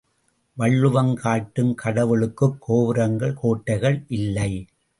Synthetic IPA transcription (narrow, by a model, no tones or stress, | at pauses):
ʋɐɭːɯʋɐŋkʰaːʈːɯmkʰɐɽɐʋɯɭɯkːɯkʰːoːʋɪɾɐŋɡɐɭkoːʈːɐɪɣɐɭʔɪlːɐɪ